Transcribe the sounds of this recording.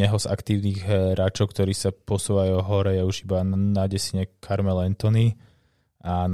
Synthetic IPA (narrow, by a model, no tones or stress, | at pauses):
ɛɦɔza̰kt̪iːʊniːɣɦɾaːt͡ʃɔʊkt̪ɔɾiːsapɔsuːʋajuɦɔɾɛjɛuʒibanaɟɛsiɲɛkʰaɾmɛlɛnt̪ɔni | an